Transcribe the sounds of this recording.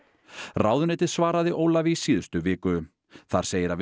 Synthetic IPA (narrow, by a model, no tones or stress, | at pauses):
raːwðʏnɛːt̪ɪðsvaːɾaðɪʔoːwlavɪsiːðʏst̪ʏvɪːkʏ | θaɾ̥seːjɪɾav